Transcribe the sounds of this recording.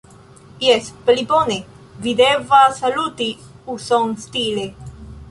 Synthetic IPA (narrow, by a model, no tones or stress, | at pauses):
jɛsplibone | vid̪evasalut̪i | usoŋst̪ile